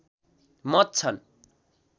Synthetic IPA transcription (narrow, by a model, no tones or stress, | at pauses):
mʌt̪̚t͡sʰʌn